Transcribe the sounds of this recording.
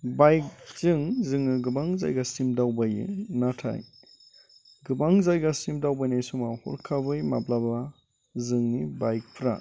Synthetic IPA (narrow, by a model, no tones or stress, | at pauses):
bajk̚z̥ɯŋzɯŋɯɡɯbaŋza̰jɡasimdawbajɯ̰natʰa̰j | ɡɯbaŋzajɡasimdawbajnajsumahɔ̰ɾkʰabɯjmablaba | zɯŋnibajk̚pʰɾa̰